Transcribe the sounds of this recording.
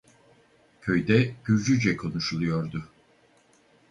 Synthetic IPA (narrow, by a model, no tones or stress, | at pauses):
cʲʰø̞jd̪ɛɟ̥yɾd͡ʒyd͡ʒɛkʰo̞nuʃlˠujo̞ɾd̪ʊ